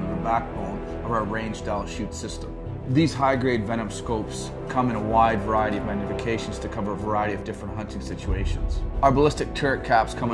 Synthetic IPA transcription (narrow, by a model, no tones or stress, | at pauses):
ðəbæk̚b̥õʊ̃n | ʌvəɹẽɪ̃nd͡ʒdælˠʃʉtsɪstə̃mm | ðiz̥ɦaɪɡɹeɪdvɛɾ̃ɨ̃mskoʊps | kʰʌ̃mɨ̃nəwaɪdvə˞aɪɨɾiʌvmæɡ̚nɨfɨkʰeɪʃn̩z̥tʰɨkʰʌvə˞əvə˞aɪɨɾiʌvdɪfɹə̃ntɦʌ̃ntɪ̃ŋsɪt͡ʃueɪʃɨ̰̃nz̥abəlɪstɨk̚tʰɛɹɨkʰæpskʰʌ̃m